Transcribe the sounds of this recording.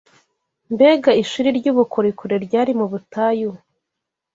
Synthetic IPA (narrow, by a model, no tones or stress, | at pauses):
mbeːɡaiʃuɾiɾɟuβukʰoɾikuɾeɾɟaːɾimuβutaːju